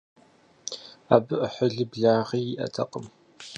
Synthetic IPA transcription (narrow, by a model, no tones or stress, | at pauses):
aːbɨʔəħəɮɨbɮaːʁiːjɪʔɐ̰tʰɐqʼəm